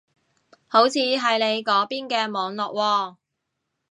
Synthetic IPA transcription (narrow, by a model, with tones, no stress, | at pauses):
ho˨˥wt͡sʰiː˨˧ɦɐ˨jne˨˧jkɔː˨˥piː˥nkɛː˧mɔː˨˧ŋlɔː˨k̚wɔː˧